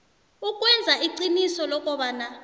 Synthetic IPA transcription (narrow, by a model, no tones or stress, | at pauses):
ukʼwɛnd͡zʱaʔiǀinisɔlɔk̬ʼɔɓaːna